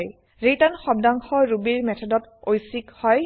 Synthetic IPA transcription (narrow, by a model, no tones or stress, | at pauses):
j | ɹitanxɔb̚daŋxɔɹubiɹmɛtʰɔdɔtojsikhɔj